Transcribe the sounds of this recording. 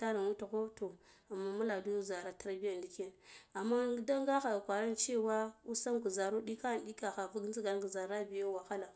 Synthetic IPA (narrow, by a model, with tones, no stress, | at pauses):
ta˦ɾa˨nwu˦ta˨ko˦to˨ | a˨mːa˦mu˦la˨du˦za˨ɾa˨ta˦ɾa˦bi˦ja˨ndi˨ke˦na˨mːa˦da˦ŋɡa˦xa˨kʷa˨ɾa˦nt͡ʃe˦˨wa˦u˦sa˦mku˨za˨ɾu˦di˦ka˦˨n˨di˦ka˨xa˨vu˦ɡzi˦ɡa˨ɡu˨za˨ɾa˦bi˨ja˦wa˨xa˦la˨